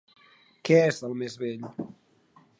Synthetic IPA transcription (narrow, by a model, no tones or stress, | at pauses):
kɛɛzəlˠmezβɛʎ